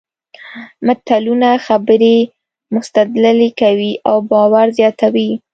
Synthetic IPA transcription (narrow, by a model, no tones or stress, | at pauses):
mat̪alunaxabəɾe | mʊst̪ad̪lalekawiʔawbɑwaɾzjɑt̪awi